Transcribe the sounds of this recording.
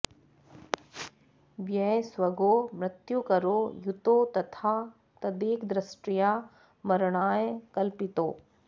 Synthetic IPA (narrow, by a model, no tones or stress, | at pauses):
ʋjɛeswɐɡoːmɾɪt̪jukɐɾoːjut̪ot̪ɐt̪ʰaː | t̪ɐd̪eːkd̪ɾɐsʈija | mɐɾɳaːjkɐlpɪt̪oː